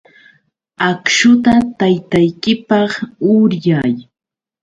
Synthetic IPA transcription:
akʃʊt̪at̪ajt̪ajkɪpɑχʊɾjaj

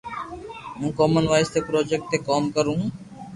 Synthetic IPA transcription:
jũːkoːmənʋaːɪst̪eːpɾoːd͡ʒek̚ʈ̚t̪eːkoːmkəɾũː

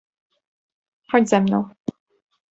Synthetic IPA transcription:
xɔd͡ʑzɛmnɔ̰̃w̃

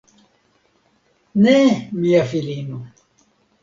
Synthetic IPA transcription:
nɛmiafilinu

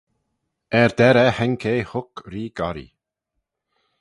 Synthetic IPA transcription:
ɛɹd̪ɛɾɛhɛŋkʰejhʊkɾiːɡaɾḭ

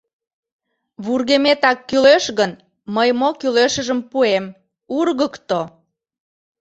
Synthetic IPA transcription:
βurɣemet̪ɑkːyløʃɣən | məjmokyleʃəʒəmpuem | urɣəkt̪o

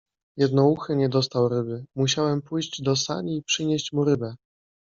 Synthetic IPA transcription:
jɛd̪nɔuxɘɲɛd̪ɔst̪awɾɘbɘmuɕawɛmpujʑd͡ʑd̪ɔsa̰ɲiːpʂɘɲeɕt͡ɕmuɾɘbɛ

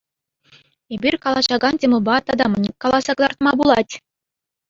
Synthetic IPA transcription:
ebʲirʲkɑlˠɑɕɑɡɑntʲemɤ̆lˠbɑt̪ɑd̪ɑmɘ̆nʲkɑlˠɑsɑkɤzɑrt̪mɑbulˠɑtʲ

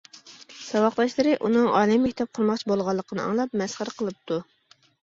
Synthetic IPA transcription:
sɑwɑqlˠɑʃlˠɨɾɨʔunɨŋɑːlˠɨmːɛkʲt̪ʰɛp̚qʰʊɾmɑχt͡ʃʰibolˠʁɑlˠːəqʰənɨɑ̰ŋlˠɑp̚mɛsχəɾqʰəlˠɨp̚t̪ʰu

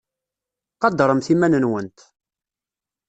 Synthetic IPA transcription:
qɑd̪ɾˤəmθimænənwənt̪

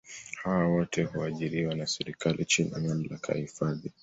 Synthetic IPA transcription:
hawawɔtʰɛhuaʄiɾiwanasɛɾikalʔit͡ʃinamam̩la̰kʰa̰jhifaði

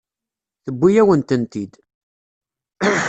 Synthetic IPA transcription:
θəbʷːijæwənt̪ənt̪id̪

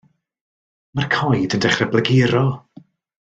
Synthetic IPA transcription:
markʰɔjdəndɛχrɛbləɡɪɾɔ

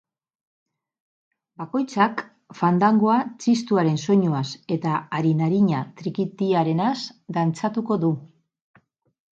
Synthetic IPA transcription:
bako̞jt͡sak | fand̪aŋɡoat͡sist̪uaɾe̞nso̞ɲoase̞t̪aːɾinaɾiɲat̪ɾikit̪iaɾe̞nasd̪ant͡sat̪uko̞ðu

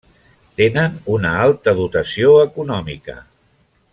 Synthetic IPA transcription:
t̪enənunəalˠt̪əðut̪əsioəkunɔmḭkə̰

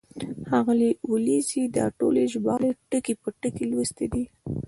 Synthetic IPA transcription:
hɑɣəliwʊlizid̪ɑ̰ʈoleʒbɑleʈəkepəʈəkelwəst̪ed̪i

